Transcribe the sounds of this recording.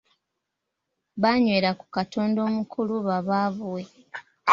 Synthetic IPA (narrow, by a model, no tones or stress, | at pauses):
βaɲwe̞ːɾaku̥kato̞ːndo̞ːmukʰuluβaβaːβuwe